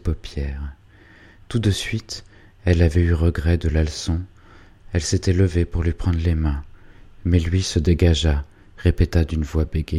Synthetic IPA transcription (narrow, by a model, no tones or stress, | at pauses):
pɔpjɛːʁ | t̪ud̪əsɥit̪ | ɛlavɛyʁəɡʁɛd̪əlalsɔ̃ | ɛlset̪ɛləvepuʁlɥipχɑ̃d̪ʁlemɛ̃mɛlɥisəd̪eɡaʒa | ʁepet̪ad̪ynvwabeɡʲe